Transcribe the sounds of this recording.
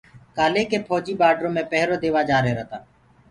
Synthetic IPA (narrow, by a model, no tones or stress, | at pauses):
kaːleːkeːpʰɔːd͡ʒiːbaːɖɾõːmẽːpɛɦɾoːd̪eːʋaːd͡ʒaːɾeːɾət̪aː